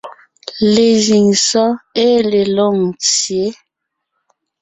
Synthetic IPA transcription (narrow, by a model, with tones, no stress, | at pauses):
le˨zi˨ŋsɔ˦e˦le˨lo˦˨ŋt͡sje˨˦